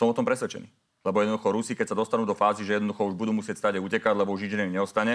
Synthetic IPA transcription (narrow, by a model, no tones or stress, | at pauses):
sɔmɔt̪ɔmpɾɛsʋɛt͡ʃɛ̰nḭː | lɛbɔjɛd̪nd̪uxɔɾusikɛcsad̪ɔst̪anuːd̪ɔfaːziʒɛjɛd̪nd̪uxɔuʒbud̪uːmusɪɛcst̪aːɟaucɛkaɟlɛbɔuʒɲid͡ʒɛniɲɛɔst̪aɲɛ